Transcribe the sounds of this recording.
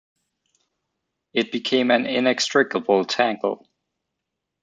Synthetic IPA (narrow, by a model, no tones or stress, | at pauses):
ɨt̚b̥ɨkʰẽɪ̃mɨ̃nɪ̃nɛkstɹ̥ɪkəbl̩ˠtʰæ̃ŋkl̩ˠ